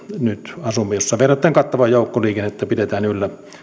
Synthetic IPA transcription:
nyt̪ɑsumːejosːɑʋeˑrˑɑt̪ːˑæːŋkɑt̪ːɑʋɑjjoˑukːoliːkenːet̪ːæpitet̪æːnylːæ

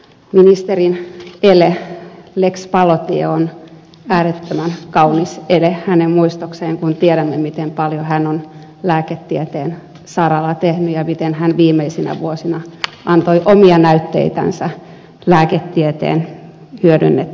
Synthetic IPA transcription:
minist̪erinelelekspɑlot̪ion | æːɾet̪ːømænkɑuniselehænemmuist̪okseːŋkunt̪ieɾæmːemit̪empɑljohænːon | læːket̪ːiet̪eːn | sɑrɑlɑt̪ehnyjɑmit̪enhænʋiːmeisinæ̰ʋuosinɑʔɑnt̪oiʔomiɑnæyt̪ːḛit̪æ̰nsæ | læːket̪ːiet̪ḛːn | hyødynːet̪

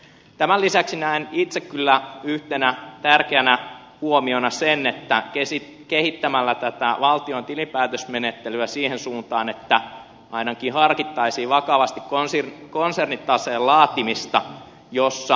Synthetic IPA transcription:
t̪æmælisæksinæinit̪sekkylːæyht̪enæt̪ærkeænæ | huomio̞nɑsenːet̪ːækesi | kehit̪ːæmælːæt̪æt̪æʋɑlt̪iont̪ilimpæːt̪øsmenet̪ːelyæsiːhensuːnt̪ɑːnet̪ːæ | ʔɑinɑkihɑrkit̪ːɑisiːʋɑkɑʋɑst̪ikkonsirkonsernit̪ːɑseːlɑːt̪imist̪ɑ | josːɑ

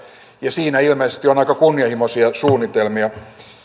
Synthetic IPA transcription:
jɑsiːnæilmeisest̪ionɑikɑkunːiɑhimosiɑsuːnːit̪elmiɑ

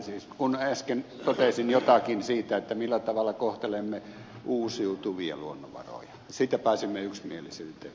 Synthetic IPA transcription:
siːskunæskent̪ot̪esinjot̪ɑkinsiːt̪æet̪ːæmilːæt̪ɑʋɑlːˑɑkoht̪elemːe | ʔuːsiut̪uʋiɑ̰luonːo̰ʋɑ̰ro̰jɑ̥ | siːt̪ːæpæˑisimːeyksmielisyːt̪ḛ

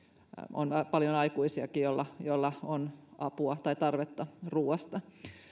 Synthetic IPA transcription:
ʔo̰npɑljonɑikuisiɑkijolːɑjolːɑonʔɑpuɑt̪ɑit̪ɑrʋet̪ːɑruːɑst̪ɑ

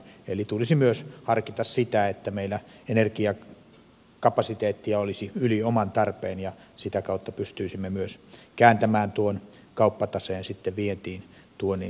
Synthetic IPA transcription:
elit̪ulisimyøshɑrkit̪ɑssit̪æet̪ːæmeilːæenerkiɑ | kɑpɑsit̪eːt̪ːiɑolisiyliomɑnt̪ɑrpˑeːnjɑ | sit̪ækɑˑut̪ːɑpyst̪yisimːemyøskæːnt̪æmæːnt̪uon | kɑˑupːɑt̪ɑseːnsit̪ːeʋʋiet̪iːn | t̪uonni

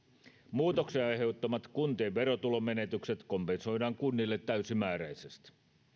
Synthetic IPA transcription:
muːt̪okseɑjɦe̞ut̪ːomɑt̪kunt̪eːʋʋe̞ɾot̪ulome̞ne̞t̪ykset̪ko̞mpenso̞jdɑːŋkunːilːet̪ːæysimæːɾæjsest̪

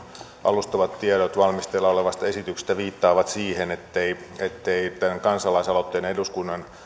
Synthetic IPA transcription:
ʔɑ̰lust̪oʋɑt̪t̪ieɾot̪ʋɑlmist̪elːɑoleʋɑst̪ɑesit̪ykse̥st̪æʋiːt̪ːɑːʋɑt̪siːhenet̪ːei | et̪ːeit̪ænkɑnsɑlɑisɑlot̪ːeːneduskunːɑn

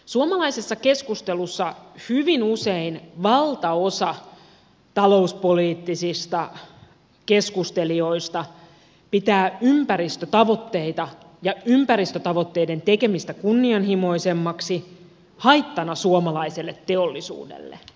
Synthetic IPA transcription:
suomɑlɑisesːɑkeskust̪elusːɑhyʋinuseinʋɑlt̪ɑosɑ | t̪ɑlo̞uspoliːt̪ːisist̪ɑ | keskust̪e̞lio̞ist̪ɑ | pit̪æːympæɾist̪øt̪ɑʋo̞t̪ːe̞it̪ɑ | jɑympæɾist̪øt̪ɑʋot̪ːe̞ide̞nt̪ekemist̪ækunːiɑnhimo̞isemːɑksi | hɑit̪ːɑnɑsuomɑlɑiselːet̪ːeolːisṵːdḛlːḛ

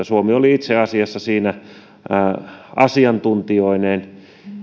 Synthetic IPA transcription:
æsuomioliit̪seɑsiɑsːɑsiːnæ | ɑsiɑnt̪unt̪ioinen

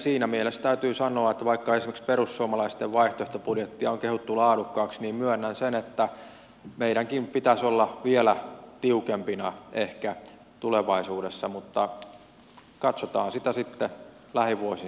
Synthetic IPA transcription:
siːnæmielest̪æyt̪yːsɑnoɑet̪ːæʋɑikːɑesimeksperusːuomɑlɑist̪eʋʋɑiht̪oeht̪opudjet̪ːiɑoŋkehut̪ːulɑːdukːɑːksniːmmyønːænsenet̪ːæ | meiɾæŋkimpit̪æsolːɑʋielæt̪iukempinɑʔehkæ | t̪uleʋɑisuːdesːɑmut̪ːɑ | kɑt̪sot̪ɑ̰ːnsit̪æsit̪ːe | læhiʋuosi

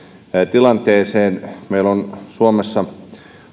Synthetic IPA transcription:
t̪ilɑnt̪eːseːnmeilonsuomesːɑ

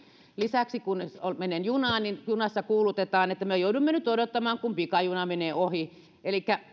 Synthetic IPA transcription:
lisæksikunolmenenjunɑːnninjunɑsːɑkuːlut̪et̪ɑːnet̪ːæmyøjouduimːenyt̪odot̪ːɑmɑːŋkumpikɑjunɑmeneːohi | elikːæ

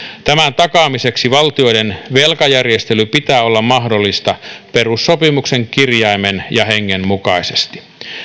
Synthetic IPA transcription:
t̪æmænt̪ɑkɑːmise̞ksiʋɑlt̪io̞jdenʋelkɑjærjest̪elypit̪æːo̞lːɑmmɑɦdolːist̪ɑperusːopimukse̞ŋkirjɑimenjɑheŋːemmukɑisest̪i̥

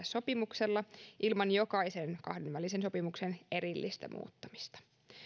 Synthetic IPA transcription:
sso̞pimukselːɑʔilmɑnjo̞kɑise̞nkɑ̰hdenʋælisenso̞pimuksene̞ɾilːist̪æ̰mʔṵːt̪ːɑmi̥st̪ɑ̥

